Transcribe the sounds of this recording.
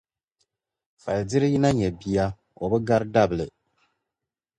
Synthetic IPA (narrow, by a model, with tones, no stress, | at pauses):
fa˨ldɪ˦ɾɨ˦ji˦na˦ɲɛ˨bi˨ja˦ | o˨bɨ˦ɡa˦ɾɨ˦da˦bɨ˨lɨ˨